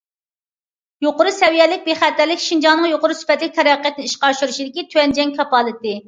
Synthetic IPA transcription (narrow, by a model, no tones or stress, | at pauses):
joqʊɾusɛwijɛlɪk̚ʲbeχæt̪ːæɾlɪkʲʃind͡ʒɑnɨŋjoqʊɾusy̥pɛt̪lɪk̚ʲt̪ʰɛɾɑqijɛt̪ɪnɪiʃqɑʃyɾuʃid̪ɪkʲit̪ʰyɛnd͡ʒɛŋkʲʰɑpɑlˠɨt̪ɨ